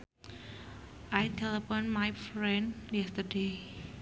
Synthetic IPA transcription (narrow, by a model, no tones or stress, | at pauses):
ʔajt̪ʰɛləpɔ̃nmajfɹɛ̃njɛst̪əde